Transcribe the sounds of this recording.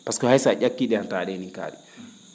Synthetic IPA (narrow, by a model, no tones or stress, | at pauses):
paskɔhajsad͡ʒakːiːɗɛantaɗɛniŋka̰ːɗɛ